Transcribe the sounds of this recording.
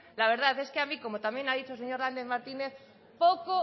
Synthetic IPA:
laβ̞e̞ɾðaθe̞skeamiko̞mo̞t̪amje̞naðit͡ʃolseɲo̞ɾnand̪eðmaɾt̪ineθ | poko

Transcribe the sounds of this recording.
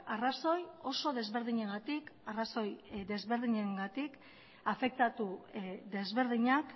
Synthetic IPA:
araso̞jo̞so̞ðe̞zβe̞ɾðiɲeɣat̪ikaraso̞jd̪e̞zβe̞ɾðiɲeŋɡat̪ik | afe̞k̚t̪at̪ud̪e̞zβe̞ɾðiɲak

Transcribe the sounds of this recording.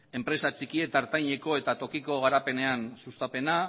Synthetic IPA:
e̞mpɾe̞sat͡ʃikie̞t̪aɾt̪ajɲe̞ko̞e̞t̪at̪o̞kiko̞ɣ̞aɾape̞ne̞ansust̪ape̞na

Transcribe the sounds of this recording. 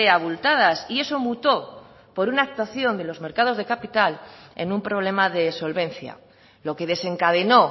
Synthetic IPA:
eaβult̪að̞asie̞so̞mut̪o̞ | po̞ɾunaːk̚t̪waθjo̞nd̪e̞lo̞zme̞ɾkað̞o̞zðe̞kapit̪ale̞̰nũmpɾo̞β̞le̞maðe̞so̞lβẽ̞n̟θja̰ | lo̞ke̞ðe̞se̞ŋkaðe̞no̞

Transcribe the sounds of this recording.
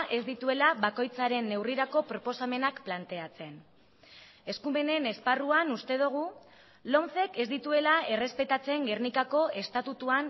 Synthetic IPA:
ʔe̞zd̪it̪ue̞laβako̞jt͡saɾe̞nːe̞wriɾako̞pɾo̞po̞same̞nakplant̪e̞at͡se̞n | e̞skume̞ne̞ne̞sparuanust̪e̞ð̞uɣ̞u | lo̞nθe̞ke̞zd̪it̪ue̞lae̞re̞spe̞t̪at͡se̞ŋɡe̞rnikako̞ʔe̞st̪at̪ut̪uan

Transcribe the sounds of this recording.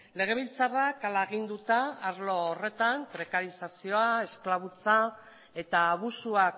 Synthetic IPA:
le̞ɣ̞e̞β̞ilt͡sarakalaeɣ̞ind̪ut̪aːɾlo̞ːre̞t̪ampɾe̞kaɾisasioae̞sklaβut͡sa | e̞t̪aːβ̞usuak

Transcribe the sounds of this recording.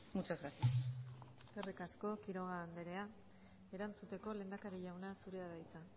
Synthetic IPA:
mut͡ʃozɣɾasias | serikasko̞kiɾo̞ɣ̞aːnd̪eɾe̞a | e̞ɾant͡sut̪e̞ko̞le̞ːnd̪akaɾiʎawnasuɾe̞aðajt͡sa

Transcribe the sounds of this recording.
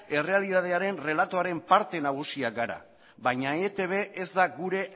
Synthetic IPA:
e̞re̞aliðað̞e̞aɾe̞nre̞lat̪o̞aɾe̞mpaɾt̪e̞naɣ̞usiaɡaɾa̰ | βajɲaet̪e̞β̞e̞ʔezd̪aɡuɾe̞

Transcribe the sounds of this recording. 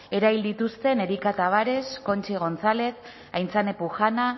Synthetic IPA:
e̞ɾaβild̪it̪ust̪e̞ne̞ɾikat̪aβaɾe̞sko̞nt͡ʃiɣ̞o̞nt͡sale̞k | ajnt͡sane̞puxana

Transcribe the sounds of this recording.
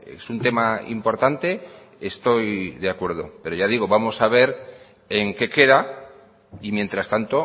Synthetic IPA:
ḛsunt̪e̞maḭmpo̞ɾt̪ant̪e̞ | est̪o̞jðeakwe̞ɾð̞o̞̰pe̞ɾo̞ʝað̞iɣ̞oβamo̞saβ̞e̞ɾ | eŋke̞ke̞ða | imje̞nt̪ɾast̪ant̪o̞

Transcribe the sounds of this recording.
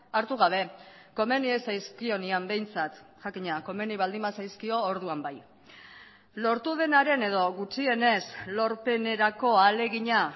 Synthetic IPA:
aɾt̪uɣ̞aβ̞e̞ | ko̞me̞niesajskio̞niambe̞jnt͡sat̪ʝakiɲako̞me̞niβ̞ald̪imbasajskio̞ːɾðuambaj | lo̞ɾt̪uð̞e̞naɾe̞ne̞ðo̞ɣut͡ʃie̞ne̞slo̞ɾpe̞ne̞ɾako̞ale̞ɣiɲa

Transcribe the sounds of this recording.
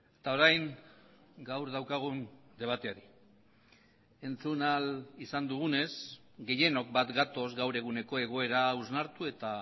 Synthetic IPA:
et̪ao̞ɾajŋ | ɡawɾð̞awkaɣ̞und̪e̞β̞at̪e̞aɾi | e̞nt͡sunalisand̪uɣ̞une̞sɡe̞je̞no̞k̚bat̪ɡat̪o̞zɡawɾe̞ɣ̞une̞ko̞e̞ɣ̞o̞e̞ɾauznaɾt̪ue̞t̪a

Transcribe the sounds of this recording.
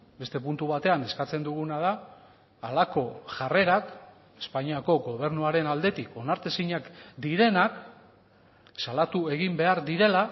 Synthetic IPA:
be̞st̪e̞punt̪uβat̪e̞ane̞skat͡se̞nd̪uɣunað̞aː | lako̞ʝare̞ɾak | e̞spaɲiako̞ɡo̞β̞e̞ɾnuaɾe̞nald̪e̞t̪iko̞naɾt̪esiɲakd̪iɾe̞nak | salat̪ue̞ɣ̞imbe̞aɾðiɾe̞la

